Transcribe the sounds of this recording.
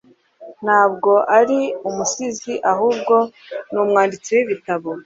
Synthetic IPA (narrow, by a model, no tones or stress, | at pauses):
n̥haːbɡo̞ʔaɾiumusiziʔaɦuːb̚ɡo̞nuːmŋaːndit͡siwiβitaβo